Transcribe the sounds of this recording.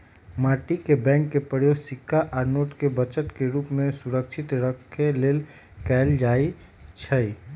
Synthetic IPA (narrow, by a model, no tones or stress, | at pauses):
maːʈikebɛ̃ːŋkːepəɽjosɪkʰːaʔɔɾnoːʈkebət͡ʃət̪keɾuːpmẽsuɾəkʃʰɪt̪ɾəkʰːeleːl | kɛld͡ʒaːi | t͡ʃʰəi